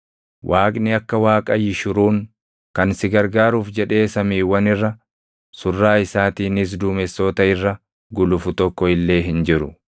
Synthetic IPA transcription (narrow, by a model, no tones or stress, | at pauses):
wʔaːkʼnɪɐkːɐwaːkʼɐjɪʃʊɾuːŋ | kɐnsɪɡɐɾɡaːɾuːfd͡ʒɛᶑe̞ːsɐmiːwːɐnɪrːɐ | sʊrːaːɪsaːt̪iːnɪs̬d̪uːmɛsːoːt̪ɐɪrːɐ | ɡʊlʊfʊt̪ɔkːɔɪlːe̞ːɦɪnd͡ʒɪɾʊ